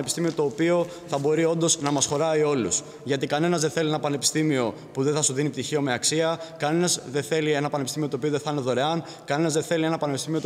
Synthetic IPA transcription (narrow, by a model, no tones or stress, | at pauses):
epist̪imio̞t̪o̞ːpio̞ | θɐbo̞ɾio̞nd̪o̞znɐmɐsxo̞ɾɐio̞lus | ʝɐt̪ikɐne̞nɐzðeθe̞lienɐpɐne̞pist̪imio̞ | puðe̞θɐsuðinip̚t̪içio̞me̞ɐksiɐkɐne̞nɐzðe̞θe̞lie̞nɐpɐnepist̪imiot̪oːpio̞ðe̞θne̞ðo̞ɾe̞ɐn | kɐne̞nɐzðe̞θe̞lie̞nɐpɐne̞pist̪imiot̪